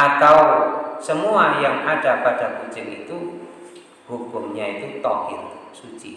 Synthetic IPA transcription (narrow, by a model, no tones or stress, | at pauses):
at̪awsəmuajaŋaɖ̥a̤paɖ̥a̤kuɲt͡ʃɪŋit̪u | hukʊmɲait̪ut̪ɔhɪ̰rsu̥t͡ʃi